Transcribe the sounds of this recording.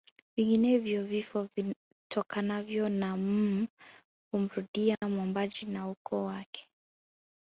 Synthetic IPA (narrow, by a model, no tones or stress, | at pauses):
viŋɡinɛvjɔvifɔvi | tʰɔkanavjɔnam̩ | um̩ɾuɗiamwɔmbad͡ʒinaukɔwakʰɛ̥